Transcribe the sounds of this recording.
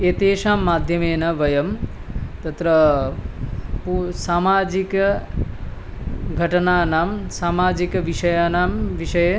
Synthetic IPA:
eːt̪eːʃaːmːaːd̪ʱjɐmeːnɐʋɐjɐmt̪ɐt̪ɾɐ | pusaːmaːd͡ʒikɐ | ɡʱɐʈɐnaːnaːmsaːmaːd͡ʒikɐʋiʂɐjaːnaːmʋiʂɐjɐ

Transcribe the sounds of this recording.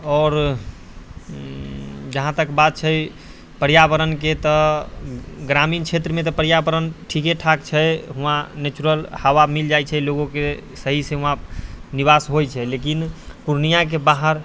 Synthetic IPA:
ɔːɾ | d͡ʒəɦãt̪əkbad̪̚t͡ʃʰɛ | pəɾjabəɾənket̪ɔ | ɡɾamint͡ʃʰet̪ɾəmet̪ɔpəɾjabəɾənʈʰikeʈʰakt͡ʃʰɛɦũãnet͡ʃuɾəlhawamild͡ʒajt͡ʃʰɛloɡõkesəɦisẽɦũɦãniβasɦojt͡ʃʰɛlekinpuɾnijak̬ebaɦəɾ

